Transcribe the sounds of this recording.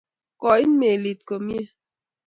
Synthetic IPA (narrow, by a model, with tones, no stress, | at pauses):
kɔ˨i˦n˦me˨li˨t̚ko˨mje˦